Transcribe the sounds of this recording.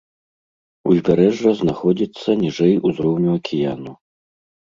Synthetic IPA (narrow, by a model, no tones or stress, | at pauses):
uzʲbʲaɾɛʐrɐznaxɔd͡zʲit̪sːɐnʲiʐɛjuzɾɔwnʲuɐkʲʰɪjanu